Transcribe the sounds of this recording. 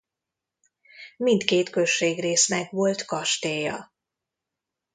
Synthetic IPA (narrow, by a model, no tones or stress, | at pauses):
mint̪keːt̪kø̞ʃːeːɡreːsnɛɡʋo̞lt̪kɒʃt̪eːjɒ̰